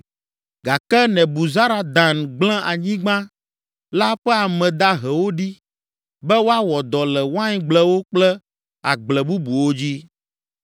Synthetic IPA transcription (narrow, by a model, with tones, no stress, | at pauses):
ɡa˨kɛ˦nɛ̃˨bu˨za˦ɾa˨d̪a˨nɡ͡blɛ̃˦ʔa˨ɲĩ˦ɡ͡bã˦ | la˦ɸɛ˦a˨mɛ̃˨d̪a˦ɦɛ˨wo˦ɖi˦ | bɛ˦wo˦a˦wɔ˨d̪ɔ˨lɛ˨wo˦a˦ɲ˦ɡ͡blɛ˦wo˦k͡plɛ˦ | a˨ɡ͡blɛ˨bu˦bu˨wo˦d͡ʑi˦